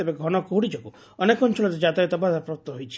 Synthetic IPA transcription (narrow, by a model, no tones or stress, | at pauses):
ebeɡʱɔɽ̃ɔkouɽid͡ʒɔɡu | ɔnekɔnt͡ʃʰɔɭɔɾed͡ʒat̪ajɔt̪ɔbad̪ʱapɾɔp̚t̪ɔɦojt͡ʃʰi̥